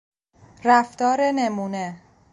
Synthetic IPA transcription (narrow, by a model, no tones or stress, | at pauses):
ɾæft̪ɒːɾenemuːne